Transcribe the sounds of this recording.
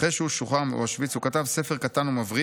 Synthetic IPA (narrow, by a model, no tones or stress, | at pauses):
eʃeuʃuχamo̰aʃvit͡sukat̪avse̞fe̞ʁkat̪anumavʁi